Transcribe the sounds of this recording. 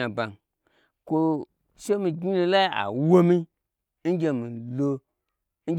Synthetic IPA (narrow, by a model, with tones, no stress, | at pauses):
a˨ba˨n | kʷo˧ | ʃe˦mĩ˧ɡi˦lo˧la˦a̰˨wo˦mĩ˦ | n̩˦ɡʲe˧mĩ˨lo˧ | ŋ̩˦